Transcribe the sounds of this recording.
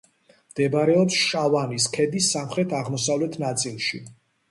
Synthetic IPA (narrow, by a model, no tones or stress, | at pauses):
md̪̥ɛbaɾɛɔpsʃavaniskʰɛd̪isːamχɾɛt̪ʰaʁmɔsavlɛt̪ʰnat̪sʼilˠʃḭ